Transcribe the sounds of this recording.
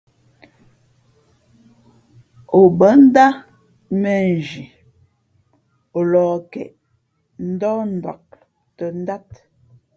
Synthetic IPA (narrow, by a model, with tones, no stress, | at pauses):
o˨bə˨˦n̩˦da˦ | mɛ˨n˨d͡ʒi˨ | o˨lɔː˨kɛ̰˨ʔ | n̩˦dɔː˦n̩˨da̰˨k̚ | tə˨n̩˦da˦t̚